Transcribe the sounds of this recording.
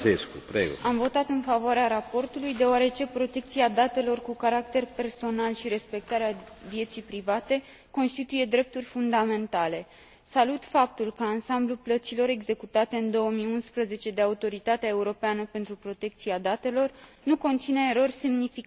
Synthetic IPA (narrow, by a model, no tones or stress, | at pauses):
eskṵpɾeɡoamvo̞t̪at̪ɨnfavoaɾeaɾapo̞rt̪ulujd̪e̞oaɾe̞t͡ʃe̞pɾo̞t̪e̞k̚t̪siad̪at̪e̞lo̞rkukaɾak̚t̪e̞rpe̞rso̞nalʃiɾe̞spe̞k̚t̪aɾeavje̞t̪sijpɾivat̪e̞ | ko̞nst̪it̪uje̞d̪ɾe̞p̚t̪urʲfund̪ame̞nt̪ale̞ | salut̪fap̚t̪ulkəansambluplət̪silo̞ɾe̞ɡze̞kut̪at̪e̞ɨnd̪o̞wəmiunspɾəze̞t͡ʃe̞d̪eaut̪o̞ɾit̪at̪eae̞uɾo̞peanəpe̞nt̪ɾupɾo̞t̪e̞k̚t̪siad̪at̪e̞lo̞r | nuko̞nt̪sineːɾo̞rʲse̞mnifik